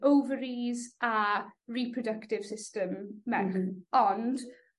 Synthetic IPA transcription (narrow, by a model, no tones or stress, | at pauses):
owvəɹizaɹiːpʰɹɔdəktɪv̥sɪstəmːɛɔnd̥